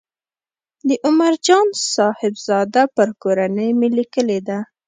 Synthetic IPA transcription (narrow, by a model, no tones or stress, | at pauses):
d̪əʔʊmaɾd͡ʒɑnsɑhɪbz̥ɑd̪apəɾkoɾanəjmelikəled̪a